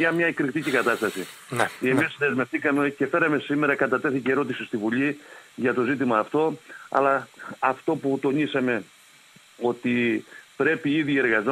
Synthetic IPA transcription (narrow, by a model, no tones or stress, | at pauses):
ɐmɲɐekɾikt̪icikɐt̪ɐst̪ɐsi | emisðe̞zme̞ft̪ikɐmece̞fe̞ɾɐme̞sime̞ɾɐkɐt̪ɐt̪e̞θiceɾo̞t̪isist̪ivuʎiʝɐt̪o̞zit̪̬imɐːft̪o̞ɐ̰lɐːft̪o̞put̪o̞nisɐme̞ | o̞t̪ipɾe̞piiðie̞ɾɣɐzo